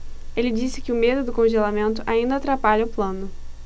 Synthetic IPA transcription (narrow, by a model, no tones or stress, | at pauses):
elɪd͡ʒisɪkɪʊmed̪ʊd̪ʊkõʒelamẽnt̪ʊʔaĩnd̪ɐat̪ɾapaʎɐʊplɐ̃nʊ